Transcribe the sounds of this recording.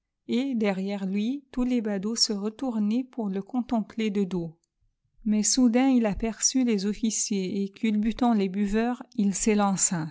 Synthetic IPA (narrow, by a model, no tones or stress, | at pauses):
ed̪ɛʁjɛʁlɥit̪ulebad̪osəʁət̪uʁnepuʁləkɔ̃t̪ɑ̃pled̪əd̪o | mɛsud̪ɛ̃ilapɛʁsylezɔfisjeekʲʰylbyt̪ɑ̃lebyvœʁilselɑ̃sa